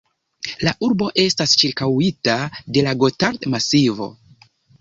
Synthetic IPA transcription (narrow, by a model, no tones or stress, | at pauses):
laʔuɾbo̞ʔe̞stast͡ʃiɾkawitade̞laɡo̞taɾtmasivo̞̰